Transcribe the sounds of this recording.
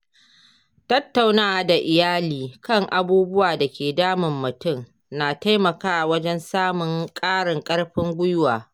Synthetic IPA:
tɐ˦tːa˨wnaː˦˨da˨ʔɪ˨jaː˦liː˨kɐ˦˨ŋʔa˦buː˦bʊ˦waː˨da˨kʲeː˨daː˦mɪ˨mːʊ˨tʊ˦˨ŋ | naː˨ta˦jmɐ˨kaː˦˨wɐ˦d͡ʒɛ˦nsaː˦mʊ˨ŋkʼaː˦ɽɪ˨ŋkʼɐ˦ɽɸɪ˦ŋɡʷʊ˦jʊ˦waː˨

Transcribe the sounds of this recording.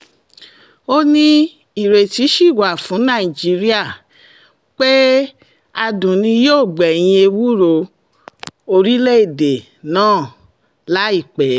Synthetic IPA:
o˧nĩ˧ | i˨ɾe˨ti˨˦ʃi˦˨wa˨fũ˨˦nã˦˨i˨d͡ʒi˨˦ɾi˦a˦˨ | k͡pe˦ | a˧dũ˨nĩ˧joː˦˨ɡ͡bɛ˨j̃ĩ˧e˧wu˦ɾo˧˨ | o˧ɾi˦le˦e˦˨de˨ | nãː˦˨ | la˨˦i˦˨k͡pɛ˨˦

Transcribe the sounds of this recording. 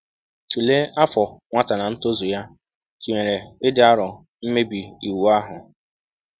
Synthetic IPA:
t͡ʃu˨le˦a˦fɔ˨ŋʷa˦ta˨na˨n̩˦to˦zʊ˨ja˦ | ki˨ŋe˨ɾe˨ɪ˦dɪ˦a˦ɾʊ˨ | m̩˦me˦bi˨i˨wu˨a˦ɦʊ˨

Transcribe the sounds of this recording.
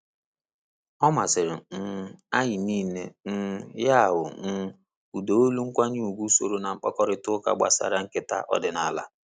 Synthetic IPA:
ɔ˦ma˨sɪ˨ɾɪ˨n̩˦a˦ɲɪ˨niː˦˨ne˨n̩˦ja˦˨ɦʊ˨n̩˦ | u˨do˨o˦lu˦ŋ̩˦kʷa˦ɲi˦u˨ɡʷu˦so˨ɾo˦na˨ŋ͡m̩˦k͡pɔ˦kɔ˦ɾɪ˦tʊ˦ka̰˨ɡ͡ba̰˨sa̰˨ɾa˦ŋ̩˦kɪ˦ta̰˦ʔɔ̰˦dɪ˨na˦˨la̰˦

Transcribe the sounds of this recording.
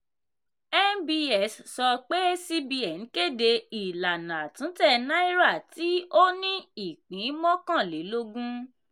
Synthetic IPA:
ɛ˦nbi˧ɛ˨ssɔ˧k͡pe˦si˧bi˧ɛ˨n̩˨˦ke˦˨de˧i˨la˨nã˨tũ˨˦tɛ˦˨nã˦i˦ɾa˦˨ti˨˦o˦nĩ˦i˦˨k͡pĩ˨˦mɔ̃˦kã˦˨le˨˦lo˧ɡũ˦

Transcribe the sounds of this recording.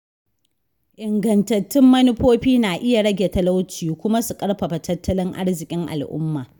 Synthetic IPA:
ʔɪ˨ŋɡɐ˨ntɐ˨tːɪ˦mːɐ˦nɪ˦ɸoː˦ɸiː˦naː˨ʔɪ˦ja˨ɽɐ˦ɡʲe˨tɐ˦la˦wt͡ʃiː˨kʷʊ˦ma˦su˨kʼɐ˦ɽɸɐ˨ɸa˨tɐ˦tːɐ˦lɪ˦ŋʔa̰˦ɽzɪ˨kʲʼɪ˦ŋʔa̰˨lʔʊ̰˦mːaː˨

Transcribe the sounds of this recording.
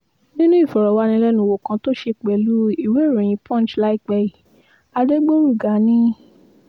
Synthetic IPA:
nĩ˦nũ˦i˦˨fɔ˨ɾɔ˨wa˧nĩ˧lɛ˦nũ˧˦˨wo˨kã˧to˦ʃe˧k͡pɛ˨lu˦i˦˨we˨˦˨ɾũ˨j̃ĩ˧˦pʰɔ̃˦n˨t͡ʃla˦i˦k͡pɛ˧i˨ | a˧de˦ɡ͡bo˦ɾu˦˨ɡa˨˦nĩ˦

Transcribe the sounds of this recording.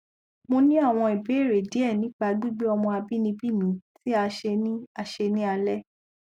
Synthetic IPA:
mo˧nĩ˦a˦˨w̃ɔ̃˧i˨be˨˦e˦˨ɾe˨di˨˦ɛ˦˨nĩ˨˦k͡pa˧˦du˦ɡ͡be˦ɔ˧mɔ̃˧a˧bi˦nĩ˧bi˦˨mĩ˨˦ti˦a˧ʃe˧nĩ˦a˧ʃe˧nĩ˦a˧lɛ˦

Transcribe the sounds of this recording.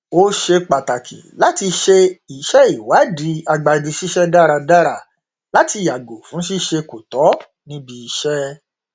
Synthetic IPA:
o˦ʃe˧k͡pa˨ta˨kʰḭ˨la˨˦ti˧ʃe˧i˨ʃɛ˦i˨wa˨˦di˨˦a˧ɡ͡ba˧di˧ʃi˦ʃɛ˦da˦ɾa˧da˦ɾa˧ | la˦ti˧ja˨ɡo˨fũ˨˦ʃi˦ʃe˧ko˨tɔ˨˦ | nĩ˦bi˧i˧ʃɛ˦

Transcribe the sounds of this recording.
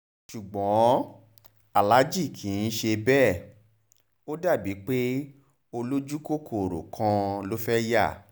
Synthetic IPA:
ʃu˨ɡ͡bɔ̃˨˦ | a˨la˨˦d͡ʒi˦˨kʰĩ˨˦n̩˦ʃe˧bɛ˦˨ | o˦da˦˨bi˨˦k͡pe˦ | o˧lo˦d͡ʒu˦ko˦˨kʰo˦˨ɾo̰˨kʰã˧lo˦fɛ˦ja˦˨

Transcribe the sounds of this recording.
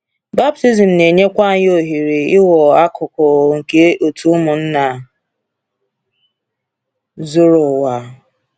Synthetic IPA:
ba˦b̚ti˦zi˨m̩˨ne˨ɲe˦kʷa˦ɲ˦o˦ɦi˨ɾi˨ɪ˦wɔ˨a˦kʊ˨kɔ˨ŋ̩˨ke˦o˨tu˦ʊ˦mʊ˨n̩˦na˨ | zu˦ɾʊ˨wa˨

